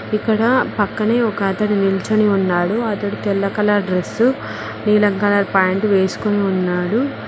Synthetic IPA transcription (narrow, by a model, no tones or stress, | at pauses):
ikːɐɽɐpɐkːɐneːɔkɐɐt̪ɐɽinilt͡ʃɐniunːaːɽuɐt̪ɐɽut̪ɛlːɐkɐlaːɾɖɾesu | niːlɐŋkɐlaːɾpaːjɳʈʋe̞ːsu̥koniunːaːɽu